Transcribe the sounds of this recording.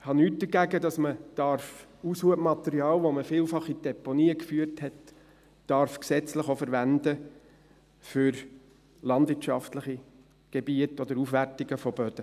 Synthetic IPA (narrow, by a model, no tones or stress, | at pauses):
hɑnyːt̚dəɡæɡədɑsməd̥ɑɾfushuəmɑt̪ɛɾiɑːlʋoməfiːlfɑχid̥ɛponiːəkfyəɾthɛt | d̥ɑɾfksɛt͡sləχofəɾʋændə | fʏɾ | lɑndvʋɪtʃɑftləχi | ɡ̥ebiətɔd̥̪əɾufʋærtiɡ̥əfɔb̥œd̥ə